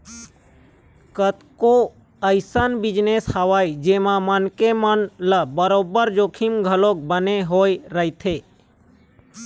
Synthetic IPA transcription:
kət̪ko | əɪsənbɪd͡ʒneshəʋaːid͡ʒemãmənkemənləbəɾobəɾd͡ʒokʰimɡʱəlok̚bəneɦoːjɾəɦit̪ʰe

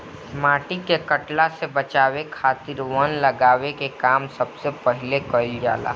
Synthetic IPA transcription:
maːʈikekɐʈlasebɐt͡ʃaːwekʰaːt̪ɪɾʋənlɐɡaːwekekaːmsɐbsepəɦɪlekəld͡ʒa̰ːla̰

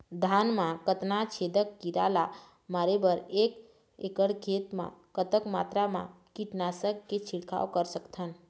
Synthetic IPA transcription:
d̪ʱanmãkət̪nat͡ʃʰed̪əkːiɾa̰la | maɾebəɾek | ekəɽkʰet̪mã̰kət̪əkmat̪ɾamã̰kiʈnasəkːet͡ʃʰiɽkʰa̰okəɾsəkt̪ʰən

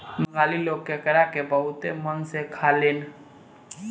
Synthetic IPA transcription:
məŋaːliloɡkːekəɾakebəɦʊt̪emənsekʰaleːn

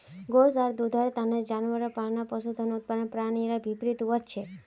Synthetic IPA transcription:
ɡos̬aɾd̪ud̪ʱaɾt̪aned͡ʒanʋəɾɔpaɭnapɔsud̪ʱənut̪̚panpɾaɽ̃iɾabʱipɾit̪uʋəd͡ʒt͡ʃʰe

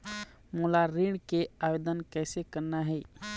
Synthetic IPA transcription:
mulaɾiɽkeabed̪ənkɛɪsekəɾnaɦɛj

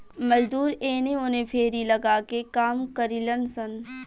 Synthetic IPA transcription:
mɐd͡ʒd̪uːɾeːneonẽpʰeːɾilɐɡaːkekaːmkəɾilənsən

